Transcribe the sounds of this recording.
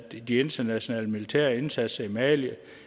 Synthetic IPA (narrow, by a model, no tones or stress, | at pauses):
d̥ie̝nd̥ɐnæɕo̝nɛ̰ːləmilit͡sʰæɐe̝nsæd̥sɐimɛːljə